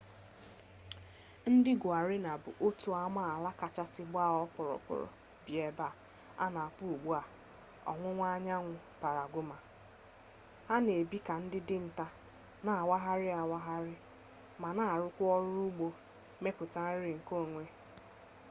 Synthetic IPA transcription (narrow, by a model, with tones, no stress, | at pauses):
n̩˦dɪ˦ɡʊ˨a˨ɾɪ˦na˨bʊ̰˨ʔo˦tu˦a˦ma˦˨a˨la˦ka˨t͡ʃa˦sɪ˦ɡ͡bʊ˦a˦ɔ˦k͡pɔ˨ɾɔ̰˨k͡pɔ̰˨ɾɔ̰˨ | bi˨e˨ba˦˨ | a̰˦na˨a˨k͡pʊ˦u˨ɡ͡bu˦a˨ | ɔ̰˨ŋʷʊ˦ŋʷa˦ɲa˦ŋʷʊ˨ | pa˨ɾa˨ɡʷʊ˦ma˨ | ha˦ne˨bi˦ka˨n̩˦dɪ˦dɪ˦n̩˨ta˦ | na˨wa˦ɦa˦ɾɪ˦a˨wa˦ɦa˦ɾɪ˦ | ma˨na˦a˨ɾʊ˦kʷʊ˦ɔ˦ɾʊ˦u˦ɡ͡bo˦ | me˦pʊ˨ta˦ɾɪ˨ŋ̩˨ko˦˨ŋʷe˦